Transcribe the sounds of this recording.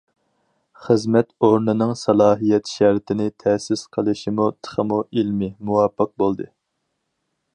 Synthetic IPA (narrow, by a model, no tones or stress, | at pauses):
χəzmɛt̪oɾnɨnɨŋsɑlˠɑːɦijɛt̪ʃɛɾt̪ʰɪnɪt̪ʰɛsɪsqʰəlˠɨʃimut̪ʰə̥χəmuʔilmɪmuwɑːpʰːəq̚bolˠd̪ɨ